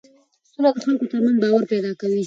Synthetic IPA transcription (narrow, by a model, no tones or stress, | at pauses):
sunakaxalkot̪amanbɑːwaɾpɛd̪ɑkawi